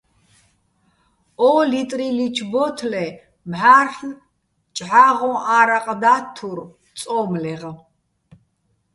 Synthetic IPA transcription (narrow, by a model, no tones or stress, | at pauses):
ɔlit̪ʼɾilit͡ʃʰbɔt̪ʰlɛ | mħaːrχn | t͡ʃʼʕaʁɔ̃ʔaɾaqʼd̪at̪ʰuɾ | t͡sʼɔmlɛʁa